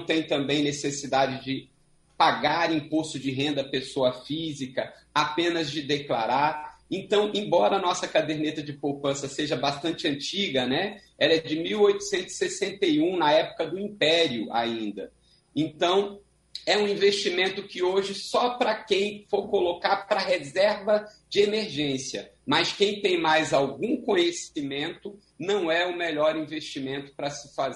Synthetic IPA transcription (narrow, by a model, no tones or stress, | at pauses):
t̪ẽj̃t̪ɐ̃mbẽj̃nesesid̪ad͡ʒɪd͡ʒɪ | paɡaɾĩposʊd͡ʒɪɦẽnd̪ɐpesoɐfizikɐ | apẽnɐzd͡ʒɪd̪ekla̰ɾaɾẽnt̪ɐ̃w̃ʔẽj̃bɔɾɐːnɔsɐkad̪eɾnet̪ɐd͡ʒɪpowpɐ̃sɐseʒɐbast̪ɐ̃nt͡ʃɪɐ̃nt͡ʃiɡɐnɛ | ɛlɐd͡ʒɪmiwojt̪ʊ̥sẽnt̪ʊzɪ̥sesẽnt̪ejũnɐɛpʊ̥kɐd̪ʊĩpɛɾiʊʔa̰ĩnd̪ɐ | ẽnt̪ɐ̃w̃ | ɛũĩveʃt͡ʃimẽnt̪ʊkɪoʒɪsɔpɾɐkẽj̃foɾkolokaɾpɾɐɦezɛɾvɐ | d͡ʒɪemeɾʒẽsiɐ̰mɐskẽj̃t̪ẽj̃majzawɡũkõɲesimẽnt̪ʊ | nɐ̃w̃ɛʊmeʎɔɾĩveʃt͡ʃimẽnt̪ʊ̥pɾɐsɪfaz